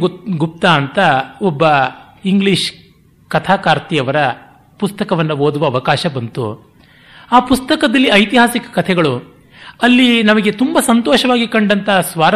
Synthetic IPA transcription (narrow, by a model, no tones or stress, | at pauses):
ɡup̚t̪aːnt̪ɐɔbːɐ | iŋɡɭiʃ | kɐt̪ʰaːkaːɾt̪ijɐʋɐɾɐ | pust̪ɐkɐʋɐnːɐɦoːd̪uʋɐːʋɐkaːʃɐbɐnt̪ṵ | aːpust̪ɐkɐd̪ɐlːiɐjt̪iɦaːsikɐ̥kɐt̪ʰɛɡɐɭu | ɐlːinɐmɐɡe̞t̪umbɐsɐnt̪oːʃɐʋaːɡikɐɳɖɐnt̪ɐsʋaːɾɐ